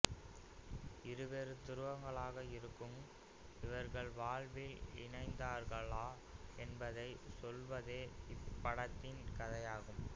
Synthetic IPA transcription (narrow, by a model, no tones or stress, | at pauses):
ɪɾɯʋeːɾɯt̪ɪɾɯʋɐŋɡɐɭaːɣɐɪɾɯkːɯm | ɪʋɐɾɣɐɭʋaːɭʋɪlɪ̰nɐɪnd̪aːɾɣɐɭaː | ɛnbɐðɐɪsɔlʋɐðeːɪpːɐɽɐt̪ːɪnkɐðɐjaːɣɯm